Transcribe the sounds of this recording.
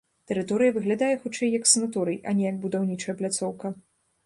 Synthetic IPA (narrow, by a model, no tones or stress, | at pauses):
t̪ɛɾɨt̪ɔɾɨjɐvɨɣlʲad̪ajɛxut͡ʂɛjːɐksɨnat̪ɔɾɨjʔɐ̰nʲɛjɐɡ̚bud̪awnʲit͡ʂɐjɛplʲat̪sɔwkɐ